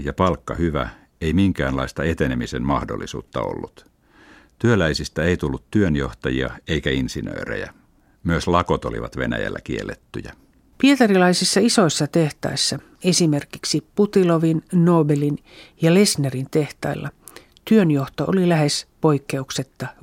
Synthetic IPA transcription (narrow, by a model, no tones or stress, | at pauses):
jɑpɑlkːɑhyʋæ | eimiŋkæːnlɑist̪ɑet̪enemisenmɑhdo̰lːisṵːt̪ːɑo̰lːut̪ | t̪yølæisist̪æeit̪ulːut̪t̪yønjoht̪ɑjiɑeikæinsinø̰ːrḛjæ | myøslɑkot̪o̰lḭʋɑt̪ʋḛnæ̰jæ̰lːæ̰kielːet̪ːyjæ | piet̪ɑrilɑisisːɑisoisːɑt̪eht̪ɑ̰isːɑ | esimerkiksiput̪iloʋinnoːbelinjɑlesnerint̪e̞ht̪ɑ̰ilːɑ | t̪yønjoht̪oʔolilæhespoikːe̞ukset̪ːɑ